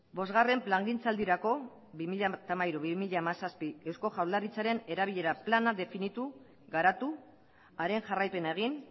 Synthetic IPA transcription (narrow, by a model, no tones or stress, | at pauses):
bo̞zɣare̞mplaŋɡint͡sald̪iɾako̞ | βimiʎat̪amaiɾuβimiʎamasaspie̞wsko̞ʝawld̪arit͡saɾe̞ne̞ɾaβiʎe̞ɾaplanaðe̞finit̪u | ɣaɾat̪u | aɾe̞nʝarajpe̞nae̞ɣ̞in